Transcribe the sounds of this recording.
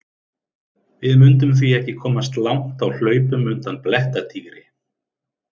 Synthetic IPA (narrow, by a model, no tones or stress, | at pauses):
vɪðmʏnt̪̬ʏmθviɛhcɪkʰɔːmast̪lawŋ̥t̪awl̥œːɥpʏmʏnt̪anplɛht̪at̪ʰiːɣɾɪ